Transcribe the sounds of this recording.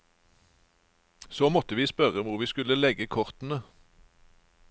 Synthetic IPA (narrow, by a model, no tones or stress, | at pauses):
soːmɔt̪əʋiːspœʁəmʊʁʋiːskʉləlɛɡəkʰɔʁt̪n̩ə